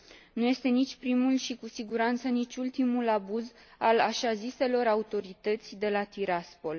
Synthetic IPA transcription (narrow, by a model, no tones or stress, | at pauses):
nuje̞st̪e̞nit͡ʃʲpɾimulʃikusiɡuɾant̪sənit͡ʃʲult̪imulabuzalaʃazise̞lo̞ɾaut̪o̞ɾit̪ət̪sʲd̪e̞lat̪iɾaspo̞l